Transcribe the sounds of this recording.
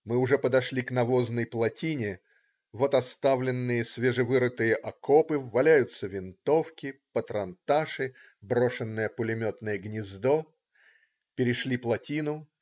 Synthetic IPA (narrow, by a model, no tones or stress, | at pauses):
mɨʊʐɛpəd̪ɐʂlʲiknɐvo̞znəjplˠɐtʲinʲɪ | vo̞t̪ɐst̪avlʲɪnːɨjəsʲvʲeʐɨvɨɾɨt̪ɨjəʔɐkopɨvːɐlʲæjʊt̪səvʲɪnt̪o̞fkʲɪpət̪ɾɐnt̪aʂɨ | bɾo̞ʂɨnːɨjəpʊlʲɪmʲot̪nəjəɡnʲɪzd̪o | pʲɪɾʲɪʂlʲiplˠɐtʲinʊ